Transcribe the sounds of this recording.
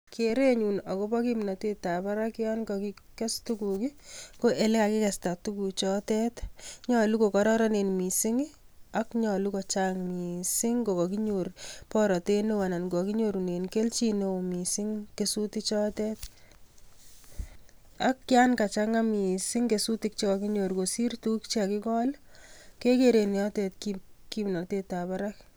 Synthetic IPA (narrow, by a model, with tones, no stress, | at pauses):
ke˨ɾe˦ɲunɔ˨ko˦pɔ˦ki˦mna˨te˦ta˨pa˦ɾa˦kɪ˦ja˦nkɔ˨ki˦kɛ˦stukuki˦ko˦ʔe˨le˦ka˨kɪ˦kɛ˨sta˨tuku˨t͡ʃɔ˦tɛ˦tɲɔ˦lu˦ko˨kɔ˨ɾɔ˦ɾɔ˦ne˨nmi˨sɪ˦ŋ | a˦kɲɔ˨lukɔ˨t͡ʃaŋmi˨sɪ˦ŋɡo˨kɔ˨ki˦ɲorpɔ˦ɾɔ˨te˦no˦wa˨na˨nɡɔ˨ki˦ɲo˦ɾu˨ne˨nke˦lt͡ʃi˦no˦˨mi˨sɪ˦ŋke˨sutit͡ʃɔ˦tɛt | a˦kːja˦nka˨t͡ʃa˦ŋa˦mi˨sɪ˦ŋke˨su˦ti˨k̚t͡ʃe˦kɔ˨ki˦ɲo˨ɾko˨si˦rtu˦kt͡ʃea˨kɪ˦kɔ˦lke˦ke˦ɾe˨n˨ɔ˦tɛ˨tkiki˦mnɔ˨te˦ta˨pa˦ɾa˦k